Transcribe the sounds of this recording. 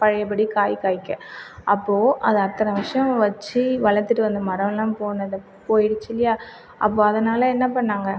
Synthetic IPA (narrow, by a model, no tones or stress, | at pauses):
pɐɻɐjɐpːɐɽikaːjkaːjɪkːɐʔɐpːoːʔɐðɯɐt̪ːɐɾɐ̃ʋɪʂɐjɐ̃mʋɐt͡ʃːɯʋɐɭɐt̪ːɯʈːɯʋɐnd̪ɯmɐɾɐʋɛlːãːpoːnɐðɐ | poːjɪɽɯt͡ʃːɪlɪjaː | ʔɐ̰p̬ːoːɐðɐnaːlɐɛnːɐpɐɳːaːŋɡɐ